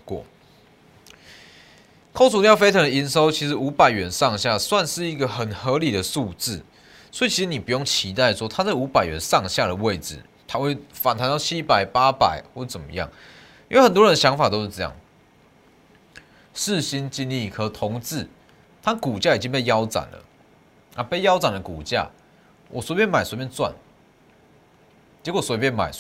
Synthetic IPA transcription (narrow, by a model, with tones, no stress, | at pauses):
kɔ̰˥˨ | kʰo˥˧ʊsʰu˥˩t̪jfe˥ɪt̪ʰa˧˥d̪ə˨i˧˥nʂo˦ʊt͡ɕʰi˧˥ʂɻ̩˧˥u˧˥pa˨˩ɪɥɛ˨˩˦nsɑ˥˧ŋɕja˥˨swa˥˧nʂɻ̩˥˩i˧˥ɡə˨xə˨˩nxə˧˦li˨˩d̪ə˩su˥˧t͡sɹ̩˥˩ | swɔ˧˥i˨t͡ɕʰi˧˥ʂ̩˧˦ni˨˩pu˧˦jo˥˩ŋt͡ɕʰi˧˥t̪a˥˧ɪʂwɔ˦˥t̪ʰa˥t͡sa˥˩u˧˥pa˨˩ɪɥɛ̰˨˦nsɑ˥˧ŋɕja˥˨˩ɾə˩we˥˨ɪt͡sɹ̩̰˨˩ | t̪ʰa˥˦we˥˩ɪfa˨˩nt̪ʰa˧˥nj̪ɑ˥˧˩t͡ɕʰi˦pa˨˩ɪpa˦pa̰˨˩ɪxwt͡sə˨˩nmə̰˦jɑ̰˥˩ŋ | i˧˥˧xə˨˩nt̪wɔ˥ɻə˧nd̪ə˧ɕjɑ˧˦˥ŋfa˨˩t̪o˥ʊʂ̩˥˧˩t͡sjɑ̰˥˩ŋ | ʂ̩˥˨ɕi˦nt͡ɕi˦nli˥˨kʰɤ˧˦t̪ʰɔ˧˦ŋt͡sɹ̩˥˩ | t̪ʰa˦˥ku˨˩t͡ɕja˥˩i˨˩t͡ɕi˦ŋpe˥˩ɪjɑ˦ʊt͡sa̰˨˩nlə̰˩ | na˥˧pe˥˩ɪjɑ˥ʊt͡sa˨˩ndə˩ku˨˩t͡ɕja̰˥˩ | wɔ˨˩swe˧˥pʲjɛ˥˨nma˨˩ɪswo˧˥pjɛ˥˧nt͡swa̰˥˨n | t͡ɕjɛ˧˥kswpjɛ˥˧nma˨˩ɪ